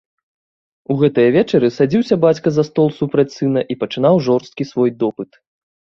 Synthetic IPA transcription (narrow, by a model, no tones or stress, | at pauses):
uɣɛt̪ɨjɐvʲɛt͡ʂɐɾɨsad͡zʲiwsʲɐbat͡sʲkɐzɐst̪ɔlˠsupɾɐt͡sʲsɨn̪ɐʔipɐt͡ʂɨn̪awʐɔrst̪̚kʲisvɔjd̪ɔpɨt̪